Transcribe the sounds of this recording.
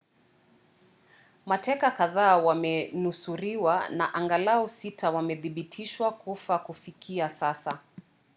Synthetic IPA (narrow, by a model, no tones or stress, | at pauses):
matɛkakaðaːwamɛnusuɾiwana̰ʔaŋɡalaɔsitʰawamɛðiɓitʰiʃwakufakufikiasasa